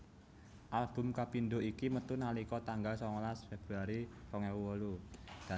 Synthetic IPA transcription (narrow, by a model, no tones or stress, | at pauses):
ʔalb̥ʊ̤mkapind̪oʔikimət̪unalikɔt̪aŋɡalsɔŋlasfeb̥ɾuaɾisɔŋɛwuwɔlud̥a